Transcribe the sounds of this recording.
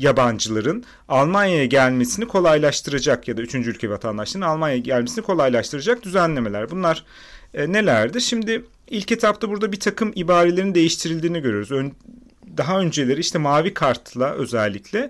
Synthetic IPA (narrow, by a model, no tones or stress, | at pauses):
jaband͡ʒɯlˠaɾɯn | alˠmanjajaɟælʲme̞sinikʰo̞lˠajlˠaʃt̪ʰɯɾad͡ʒakjad̪ayt͡ʃʰynd͡ʒylʲcʰevat̪ʰand̪aʃlˠaɾɯnalˠmanjajaɟælʲmesinikʰo̞lˠajlˠaʃt̪ʰɯɾad͡ʒak̚d̪yzænlʲe̞me̞lʲæɾbunlˠaɾ̥ | ne̞lʲæɾd̪iɾʃimd̪ɪ | ilʲcet̪ʰapt̪ʰabuɾd̪abit̪ʰakʰɯmibaːɾe̞lʲeɾind̪e̞jiʃt̪ʰiɾilʲd̪iːniɟøɾyoɾuzø | d̪aɦaø̞nd͡ʒe̞lʲe̞ɾiiʃt̪ʰɛmaːvikʰaɾt̪ʰlˠaʔø̞̰zælʲːiclʲɛ